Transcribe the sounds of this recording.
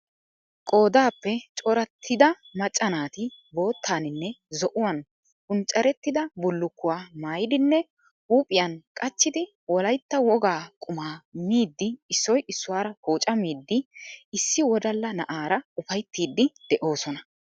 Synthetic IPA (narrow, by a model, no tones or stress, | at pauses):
kʼo̞ːd̪aːpːɛt͡ʃʼɔɾɐt̪ʰːɪd̪ɐmɐt͡ʃʼːɐnaːt̪ɪbo̞ːt̪ʰːaːnɪnːɛzɔʔʊwɐn | kʊnt͡ʃʼːɐɾɛt̪ːɪd̪ɐbʊlːʊkːʊwaːmaːjɪd̪ɪnːɛ | huːpʼɪjɐnkʼɐt͡ʃːɪd̪ɪ | wɔlɐjt̪ːɐwɔɡaːkʼʊmaːmiːd̪ːɪːsːɔjɪsːʊwaːɾɐhoːt͡ʃʼɐmiːd̪ːɪɪsːɪwɔd̪ɐlːɐnɐʔaːɾɐʊfɐjt̪ːiːd̪ːɪd̪̥ɛʔo̞ːsɔnɐ